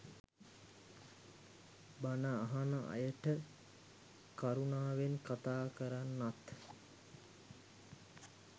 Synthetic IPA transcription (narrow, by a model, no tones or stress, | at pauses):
banəaɦanəʔa̰jəʈə | kaɾunaːʋenkat̪aːkəɾanːat̪